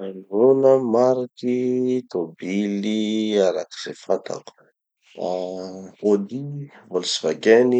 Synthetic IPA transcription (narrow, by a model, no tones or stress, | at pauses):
anronəmaɾikit̪obiliaɾaki̥z̥efat̪ʰa̰ku̥ | a | od̪ivolisivaɡeni